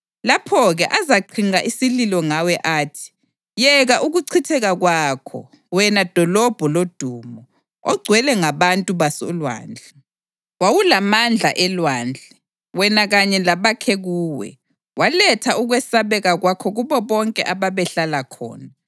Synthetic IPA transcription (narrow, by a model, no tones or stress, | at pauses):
lapʰɔɣɛʔazaǃʰiŋaʔisililɔŋawɛʔaːtʰi̥ | jɛɣaʔuɣuǀʰitʰɛɣaɣwaːkʰɔ̰ | wɛnad̥ʱɔlɔb̥ʱɔlod̥ʱuːmɔ | ɔɡ͡ǀʱwɛlɛŋaβantʼuβasɔlwa̰ːnd͡ɮʱɛ | wawulamand͡ɮʱa̰ʔɛlwaːnd͡ɮʱɛ | wɛnaɣaɲɛlaβakʰɛɣuːwɛ̰ | walɛtʰauɣwɛsaβɛɣaɣwakʰɔɣuβɔβɔŋkʼɛʔaβaβɛɬalakʰɔ̰ːna